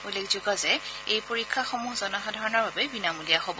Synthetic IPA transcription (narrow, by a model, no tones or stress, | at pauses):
ulekzuɡɔzɛejpoɹikʰːaxomuɦzɔnɔxadʱaɹɔnɔɹbabɛbinamulijaxobɔ